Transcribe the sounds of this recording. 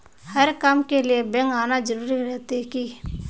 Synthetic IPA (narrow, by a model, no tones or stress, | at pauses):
həɾkamkelijebɛ̃ŋɡaːnad͡ʒəɾuːɾiɾɛt̪iki